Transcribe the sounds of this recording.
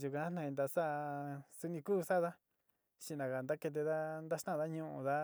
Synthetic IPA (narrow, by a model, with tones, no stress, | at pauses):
u˧kã˧˦nã˧ĩ˧nd̪a˧sa˦su˦nĩ˧kuː˦sa˦ða˦ | ʃĩ˧nã˨˧ka˨nd̪a˦ke˧t̪̬e˧ða˦nd̪a˦ʃt̪ã˦˨ða˦ɲũ˧ʔṵ̃˧ða˦